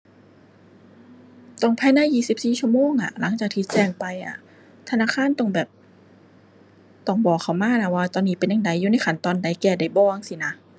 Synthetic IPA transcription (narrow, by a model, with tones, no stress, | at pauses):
t̪ɔ˧˩ŋpʰɛː˧˥˨naː˧˥˨jiː˧˩si˨˩p̚siː˨˩t͡ɕʰu˧˥əmoː˧˥˨ŋʔa̰˧˩la˨˦ŋt͡ɕaː˨˩k̚t̪ʰiː˧˩t͡ɕɛː˧˩ŋpa˧jʔa̰˨˩ | t̪ʰa˧naː˧˥˨kʰaː˧˥˨nt̪ɔ˧˩ŋbɛː˨˩p̚ | t̪ɔ˧˩ŋbɔː˨˩kʰːa˧˩wmaː˧˥˨na˧˩waː˧˩t̪ɔː˧nːiː˨˦˥pe˧nja˨ŋda˨˦jːuː˧˦na˧˥˩jkʰa˨˧˦nt̪ɔː˧nda˨˦jkɛː˧˩da˨˩jbɔː˧˨ŋsi˧˩na˦˧˥